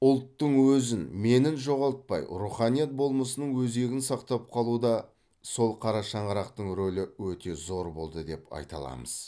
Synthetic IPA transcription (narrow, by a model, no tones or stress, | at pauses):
ʊlˠt̪ːəɴwɵzɪnme̞nɪnʒo̞ʁɑlˠt̪̚pɑjɾuχɑnijɑt̪̚bo̞lˠməsənəɴwɵze̞ɡʲɪnsɑqt̪ɑp̚qʰɑlˠud̪ɑ | so̞lˠqʰɑɾɑʃɑɴʁɑɾɑqt̪əɴɾo̞lɪwɵt̪e̞zo̞ɾbo̞lˠd̪əd̪e̞pɑ̰jt̪ɑ̰lˠɑ̰məz̥